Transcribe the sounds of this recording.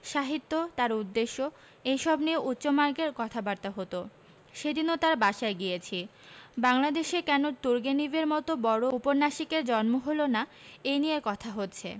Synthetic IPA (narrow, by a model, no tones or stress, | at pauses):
ʃaɦit̪ːot̪aɾud̪ːeʃːo | ejʃɔbnieʔutːɕomaɾkeɾkɔt̪ʰabaɾt̪aɦot̪o | ʃed̪inot̪aɾbaʃaeɡijet͡ɕʰi | baŋlad̪eʃekɛnot̪uɾɡenibeɾmɔt̪obɔɾoupoɾnaʃikeɾd͡ʑɔnmoɦolona | ejnijekɔt̪ʰaɦotːt͡ɕʰḛ